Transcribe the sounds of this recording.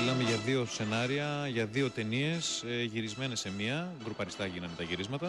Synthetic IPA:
ilɐme̞ʝɐðio̞se̞nɐɾiɐʝɐðio̞t̪e̞nie̞sʝiɾizme̞ne̞semiɐɡɾupɐɾist̪ɐʝinɐnd̪et̪ɐʝiɾizmɐt̪ɐ

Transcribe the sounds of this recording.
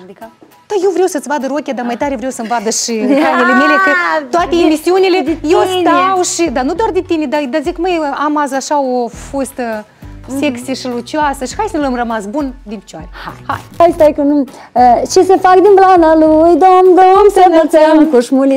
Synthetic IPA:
d̪̥ajewvɾewsət̪svad̪əɾokʲad̪amajt̪aɾevɾʲewsəmvad̪əʃiɾanelemelekət̪oat̪eemisiunʲilejewst̪awʃid̪anud̪oard̪int̪inʲed̪ad̪azikməjamazaʃaofost̪ə | sekt̪sieʃilut͡ʃiasəʃi̥xajsənləmrəmasbund̪inpʲi̥t͡ʃaɾʲea̰hajajt̪ajkənu | t͡ʃesefakd̪inplanalujd̪omd̪omsemət͡səmkuʃmuli

